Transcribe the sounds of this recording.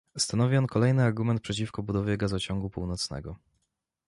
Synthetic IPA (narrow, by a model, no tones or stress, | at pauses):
st̪anɔvʲiɔnkɔlɛjnɘaɾɡumɛnt̪̚pʂɛt͡ɕifkɔbud̪ɔvʲjɛɡazɔt͡ɕɔŋɡupṵwnɔt̪snɛ̰ɡɔ